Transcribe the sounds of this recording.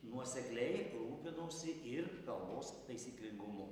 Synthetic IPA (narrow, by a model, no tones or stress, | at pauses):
nuɔsʲɛklʲɛɪɾuːpʲɪnuːsʲɪʔɪɾkɐlˠboːst̪ɐɪsʲiːklʲɪŋɡʊmʊ